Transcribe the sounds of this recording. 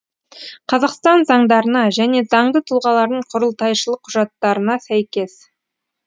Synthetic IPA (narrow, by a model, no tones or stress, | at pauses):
qʰɑzɑqst̪ɑnzɑɴd̪ɑɾənɑʒæne̞zɑɴd̪ət̪ʰʊlˠʁɑlˠɑɾd̪əɴqʰʊɾəlˠt̪ɑjʃəlˠəqʰːʊʒɑt̪ːɑɾənɑsæjkʲe̞s